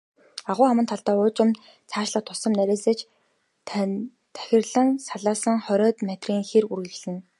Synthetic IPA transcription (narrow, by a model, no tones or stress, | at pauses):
aʁʊːχamə̆nt̪ʰaɮt̪aːʊːt͡ɕʊ̆mt̪ | t͡sʰaːʃɮə̆t̪ʰʊsə̆mnæɾʲeːseːt͡ɕ | t̪ʰæ̥xʲɪ̆rɮə̆nsaɮaːsə̆ŋχœɾʲɔːt̪mat̪riːŋxerurɣɘ̆t͡ɕɮɘ̆n